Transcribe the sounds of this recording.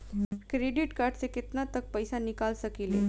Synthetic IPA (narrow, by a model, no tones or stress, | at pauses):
kɾeɖiʈkaɾɖt͡seket̪nat̪ək̚pəjsanikalsəkile